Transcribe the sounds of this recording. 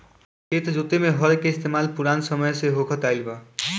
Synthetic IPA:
ket̪d͡ʒut̪emeɦɔɾkeɪst̪ʰemalpuɾansɔmɔjseɦokʰɔt̪ajlba

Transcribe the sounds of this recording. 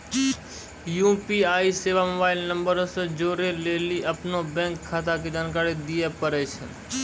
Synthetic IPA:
jũːpiːaːiseːʋamoːbaːɪlnə̃mbəɾsd͡ʒoːɾeleːliʔəpnobɛ̃ːŋkʰːaːt̪aked͡ʒaːnkaːɾed̪ɪjepəɾɛt͡ʃʰə̰n

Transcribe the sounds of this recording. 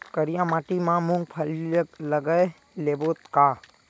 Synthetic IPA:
kəɾijãmãːʈimãmũŋɡ̚pʰəlləɡəe | leːboːt̪kaː

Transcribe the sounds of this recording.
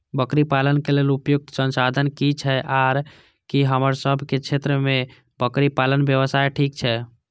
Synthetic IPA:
bəkɾipalənkelelupjuk̚t̪sənsad̪ʱənkit͡ʃʰɛʔaɾ | kiɦəməɾsəbʱket͡ʃʰet̪ɾəmẽ | bəkɾipalənbjəʋəsaeʈʰikt͡ʃʰɛ

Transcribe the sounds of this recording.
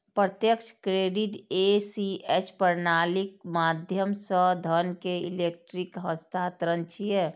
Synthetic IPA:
pɾət̪jəkʃʰkɾeːɖiʈesiet͡ʃʰpəɾnaːlikmaːd̪ʱjəmsəd̪ʱənkeilek̚ʈɾikɦə̃st̪ʰaːt̪ɾənt͡ʃʰijɛ

